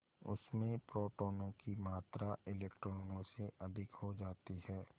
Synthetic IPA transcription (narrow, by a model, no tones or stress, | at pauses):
ʊ̰smẽpɾɔːʈoːnõkimaːt̪ɾaʔɪleːkʈɾoːnõseʔɐd̪ʱɪkhod͡ʒaːt̪iɦɛː